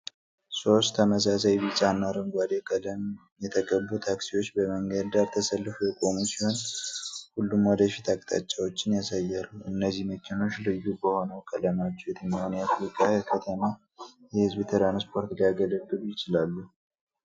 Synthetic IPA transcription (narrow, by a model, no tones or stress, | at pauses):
so̞st̪ʰːəməs̬asajbit͡ʃʼanːaɾɨŋɡʷad̪ekələm | jɛt̪ʰəɡʼəbːut̪ʰaksiwo̞t͡ʃːbəməŋɡəd̪d̪aɾt̪ʰəsəlːɨfujɛkʼo̞musiho̞n | hulːumwɔd̪əfit̪ʰakʼt̪ʼa̰t͡ʃʼːawo̞t͡ʃːɪnjasajːɛɾuɨnːəzːihməkʰɪno̞t͡ʃlɨjubəho̞nəwkʼələmat͡ʃːɛwjɛt̪ʰəɲawniafɾikʼajɛkʰət̪ʰəma | jɛhɨzbit̪ʰəɾanspʰo̞ɾt̪liaɡələɡɨlujɪt͡ʃɪlalːu